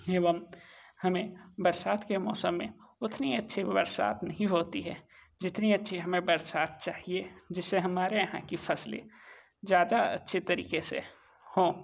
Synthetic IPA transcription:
eːʋəmhɐmẽbɐɾsaːt̪kemɔːsəmːḛ̃ʊt̪niɐtːʃʰibɐɾsa̰ːt̪nɐɦĩɦoːt̪iɦɛː | d͡ʒɪt̪niɐtːʃʰiɦɐmẽbɐɾsaːt̪̚t͡ʃaːɦied͡ʒɪsːeɦɐmaːɾejɐɦã̰kifʰɐslḛ | zjaːd̪aɐ̰tːʃʰet̪ɐɾḭːkesḛ | hõː

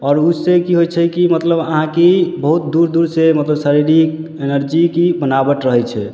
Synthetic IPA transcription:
ɔːɾusekiɦojt͡ʃʰɛkimət̪ləbəɦãkibəɦut̪d̪uɾd̪uɾsemət̪ləbsaɾiɾik | enəɾd͡ʒikibənabəʈɾəɦɛt͡ʃʰɛ

